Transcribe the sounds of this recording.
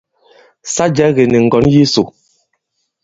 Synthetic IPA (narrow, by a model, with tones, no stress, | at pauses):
sa˦d͡ʒɛ˨˦ɣɛ˨nɛ˨ŋ̩˨ɡɔ˨˦nji˦so˨